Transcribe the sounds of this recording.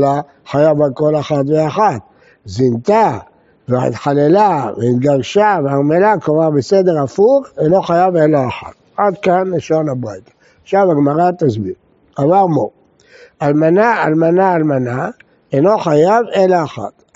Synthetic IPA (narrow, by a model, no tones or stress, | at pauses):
la | χajavalko̞lexat̪veaħat̪ | zint̪a | vea̰ḭt̪ħalelaveit̪ɡaʁʃaveaʁmelakovabesed̪e̞ʁafuχelo̞χajavelaaħa̰t̪ad̪kanliʃonabʁajt̪ḁ | ʃavaɡmaʁat̪azbiʁ | avaʁmo | almanaa̰lmanaːlmana | eno̞χajavelaːχa̰t̪